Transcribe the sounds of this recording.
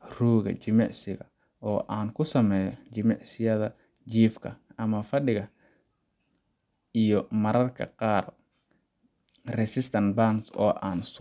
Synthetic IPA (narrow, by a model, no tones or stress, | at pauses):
ruːɣɐ̰t͡ʃɪmɛʕsɪɣɐ̰ | ɔːʔaːnkʰʊsɐmɛːjɔt͡ʃɪmɛʕsɪjɐðɐ | t͡ʃiːfkʰɐɐmɐfɐɗɪɣɐ | ijɔmɐɾɐrkʰɐ̰qɑːr | rɛsɪst̪ʰɐnbansɔːʔaːns